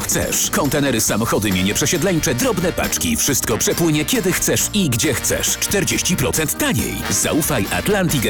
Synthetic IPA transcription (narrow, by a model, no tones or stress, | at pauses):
xtsɛ̰ʂkɔnt̪ɛnɛɾɘsamɔxɔd̪ɘmʲɛɲɛpʂɛɕɛd̪lɛɲt͡ʂɛd̪ɾɔbnɛpa̰t͡ʂkʲifʂɘst̪̚kɔpʂɛpwɘɲɛkʲɛd̪ɘxt̪sɛʂiɡd͡ʑɛxt̪sɛ̰ʂt͡ʂt̪ɛɾd͡ʑeɕt͡ɕipɾɔt̪sɛnt̪ːaɲḛjza̰ufajʔa̰t̪lant̪ik